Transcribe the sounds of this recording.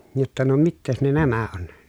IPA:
jotːɑ no mitːeːs ne næmæ on

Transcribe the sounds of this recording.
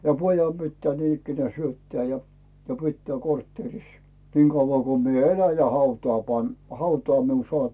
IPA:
jɑ pojɑm pitːæː niːn ikːenæː syøtːæː jɑ pitːæː kortːeːris niŋ ɡ̊ɑuʋːɑˑ ko mie elæ jɑ hɑutɑː pɑn hɑutɑː miun soɑˑp

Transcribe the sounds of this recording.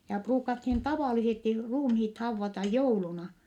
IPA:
jɑ pruːkɑthin tɑʋɑˑlisesti ruːmhiːt hɑuʋːɑtɑ joulunɑ

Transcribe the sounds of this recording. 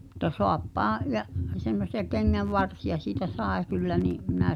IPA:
m̆ŭtˑɑ soɑpːɑːɑ̃ jɑʔ semːosˑiɑ keŋːæʋːɑrsijɑ siːtæ sɑˑe kylːæ niʔ mĭnæ

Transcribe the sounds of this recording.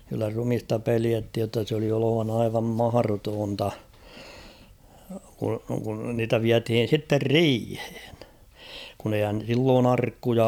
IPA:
kylːæ rumistɑ peliæthij jotːɑ s oli oloʋɑnɑ ɑiʋɑm mɑhɑrotoːntɑ ku kun niːtæ ʋiæthiːn̞ sitːer riːhe̥ːn̥ kun eihæn̞ silːoːn ɑrkːujɑ

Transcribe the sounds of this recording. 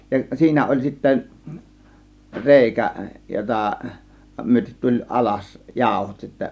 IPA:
jɑ siːnæ olʲ sitːæ reˑikæ jotɑˑ myøtet tulʲ ʔɑlɑs jɑˑo̝hot sitːæ

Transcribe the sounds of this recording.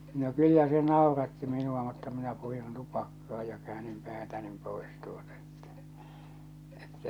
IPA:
no kylːæ se nɑˑorɑtːi minuɑ mutːɑ minæ purin tupɑkːɑː jɑ kæːnim pæːtænim poˑes tuotɑ e̥tːæ̥ etːæ

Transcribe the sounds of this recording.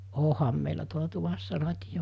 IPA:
oˑhɑm meilæ tuolɑ tuʋɑsːɑ rɑtʲijo

